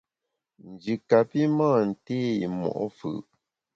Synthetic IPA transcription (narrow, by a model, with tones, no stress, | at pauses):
n̩˨d͡ʒi˨ka˨pi˦maː˦˨n̩˨teː˦ḭ˨mɔ̰˨ʔɔ˦fɯ̰˨ʔ